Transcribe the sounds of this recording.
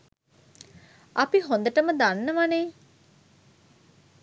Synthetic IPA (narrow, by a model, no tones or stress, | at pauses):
ɐpiɦõnd̪əʈəməd̪anːəʋaneː